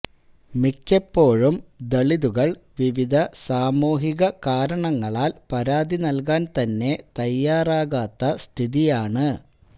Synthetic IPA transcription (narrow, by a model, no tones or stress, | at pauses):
mikʲːɐpːo̞ːɻumd̪ɐɭiðuɣɐɭʋiʋid̪ʱɐsaːmuːɦiɣɐkaːɾɐɳɐŋːɐɭaːlpɐɾaːd̪inɐlkaːnt̪ɐnːe̞t̪ɐjːaːraːɣaːt̪ːɐst̪ʰiðijaːɳɨ